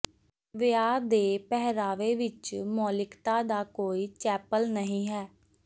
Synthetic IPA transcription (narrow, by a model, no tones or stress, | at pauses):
ʋɪaːd̪eːpɛɦɾaːʋeːʋɪt͡ʃmɔːlɪkt̪aːd̪aːkoːiːt͡ʃɛːpəlnəɦĩːɦɛː